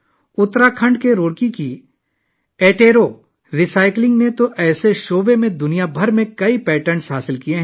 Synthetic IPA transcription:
ʊt̪ːɾakʰɐ̃ɳɖkeɾoːɽkiki | eːʈeːɾo | ɾisaːɪklɪ̃ŋɡnet̪oʔɛːseʃoːbemẽd̪ʊnijabʱɐɾmẽkɐipɛːʈəɾɳsɦaːsɪlkieɦɛ̃

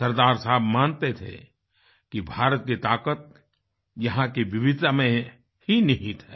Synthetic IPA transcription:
sɐɾd̪aːɾsaɦəbmaːnt̪et̪ʰḛ | kibʱaːɾət̪̚kit̪aːkət̪̚ | jɐɦãkiʋɪʋɪd͡ʒamẽ | hinɐɦĩt̪ʰɛː

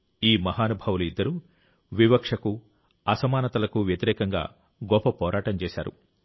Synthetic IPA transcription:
iːmɐɦaːnubʱɐwuluid̪ːɐɾu | ʋibɐkʂɐku | ɐsɐmaːnɐt̪ɐlɐkuʋjɐt̪iɾɛːkɐŋɡa̰ː | ɡɔpːɐpɔːɾʔaːʈɐmt͡ʃɛːʃa̰ːɾṵ

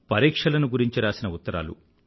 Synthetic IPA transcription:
pɐɾiːkʂɐlɐnuɡuɾiɲt͡ʃiɾaːsinɐut̪ːɐɾa̰ːlṵ

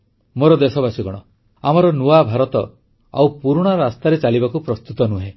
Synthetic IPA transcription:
moɾɔd̪esɔbasiɡɔɽ̃ɔ | amɔɾɔnuabʱaɾɔt̪ɔ | a̰wpuɾuɽ̃aɾast̪aɾet͡ʃalibakupɾɔst̪ut̪ɔnuɦe

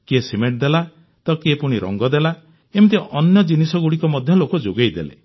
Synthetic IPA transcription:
kiesimeʈ̚d̪ela | t̪ɔkepuɽ̃iɾɔ̰ŋɡɔd̪ela | emit̪̬iʔɔnjɔd͡ʒinisɔɡuɽikɔmɔd̪ʱjɔlokɔd͡ʒoɡejd̪elḛ

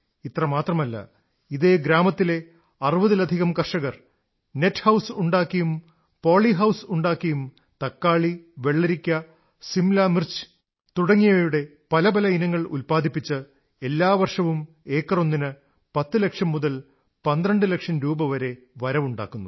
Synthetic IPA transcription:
it̪rɐmaːt̪rɐmɐlːɐ̰ | iðeːɡɾaːmɐt̪ːile̞ | ɐrɨʋɐðilɐd̪ʱiɣɐmkɐrʂɐɣɐr | ne̞tːhɐwsuɳɖaːkːijum | po̞ːɭiɦɐwsuɳɖaːkːɐjum | t̪ɐkːaːɭiʋe̞ɭːɐɾikʲːɐ | simlaːmirt͡ɕ | t̪uɽɐŋːijɐɐjuɽe̞ | pɐlɐbɐlɐinɐŋːɐɭulpaːd̪ʱipːit͡ɕːɨ | e̞lːaːʋɐrʂɐʋum | e̞ːkːɐro̞nːinɨ | pɐt̪ːɨlekʂɐmːuðɐl | pɐnd̪ɾɐɳɖɨlekʂɐnɾuːbɐʋɐɾe̞ | ʋɐɾɐʋuɳɖa̰ːkːunːu

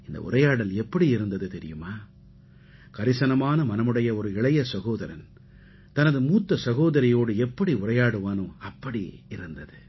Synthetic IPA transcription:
ɪnd̪ɐ̰ʔʊ̰rɐjaːɽɐlɛpːɐɽiɪɾɯnd̪ɐðɯt̪ɛɾɪ̰jɯmaː | kɐɾɪsɐnɐmaːnɐmɐnɐmɯɽɐjɐɔɾɯɪɭɐjɐsɐɣoːðɐɾɐn | t̪ɐnɐðɯmuːt̪ːɐsɐɣoːðɐɾɪjoːɽɯɛpːɐɽiʊrɐjaːɽɯʋaːnɯɐpːɐɽḭɪɾɯnd̪ɐðɯ

